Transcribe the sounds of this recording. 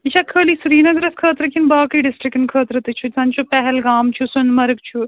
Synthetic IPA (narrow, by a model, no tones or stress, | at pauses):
it͡ʃʰaːkʰəːliːsuɾiːnɐɡɾɐskʰəːt̪ɾɨkinbaːkɐiɖɪsʈɾɪkɪnkʰəːt̪ɾɨt̪it͡ʃʰusɐ̃nt͡ʃopɛɦɛlɡaːmt͡ʃʰusʊnmɐɾɡt͡ʃʰu